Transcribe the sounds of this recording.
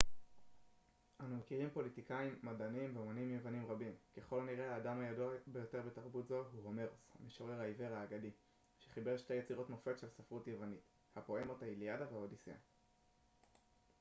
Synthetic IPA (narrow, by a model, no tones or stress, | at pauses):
ʔanumekiʁimpo̞litikaimːadanimveomanimjevanimʁabimke̞χo̞lniʁehaːdamhajaduabejo̞te̞ʁbe̞taʁbutzo̞aɦuho̞me̞ʁoshameʃoʁe̞ʁaive̞ʁaːɡadi | ʃeχibe̞ʁʃte̞jet͡siʁo̞tno̞fe̞t̪ʃelsafʁutjevanit | hapo̞emotailiadaveaodisia̰